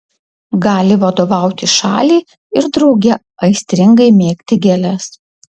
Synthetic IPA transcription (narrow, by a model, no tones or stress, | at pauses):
ɡɑːlʲɪʋɐd̪oːʋɑˑʊt̪ʲɪʃɑːlʲiː | ɪɾd̪ɾɒʊɡʲɛ | ɐɪsʲt̪ʲɾʲɪŋɡɐɪmʲeːkʲt̪ʲɪɡʲɛlʲɛs